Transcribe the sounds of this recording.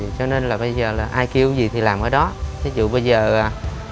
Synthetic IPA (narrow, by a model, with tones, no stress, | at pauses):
t͡ɕɔ˧ne˧nlaː˨˩ɓə˧jzəː˨˩laː˨˩ʔaː˧jki˧əwzi˨˩t̪ʰi˨˩laː˨˩mʔəː˧˩ɗɔ˨˦t̪ʰi˨˦zṵ˧˨ɓə˧jzəː˨˩aː˨˩